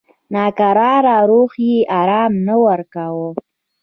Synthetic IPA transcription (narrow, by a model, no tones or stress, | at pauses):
nɑkaɾɑɾɑɾoxjeʔaɾɑmnawaɾkawo